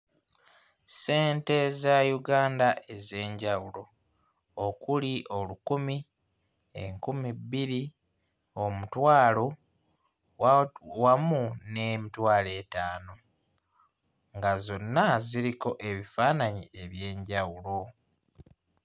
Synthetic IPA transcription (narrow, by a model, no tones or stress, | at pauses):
se̞ːnte̞zajuɡaːndaʔe̞ze̞ːɲɟawulo̞ | okuliʔo̞lukumi | ḛŋkumibiɾi | o̞mutwaːlo̞ | wamune̞mitwaːle̞ːtaːno̞ | ŋɡazo̞nːaziɾiko̞ʔe̞βifaːnaɲiʔe̞βje̞ːɲɟawulo̞